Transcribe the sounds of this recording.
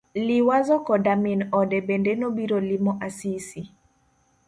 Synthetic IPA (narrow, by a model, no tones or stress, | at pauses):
liwazɔkɔdaminɔdɛbɛndɛnɔbiɾolimɔʔasisi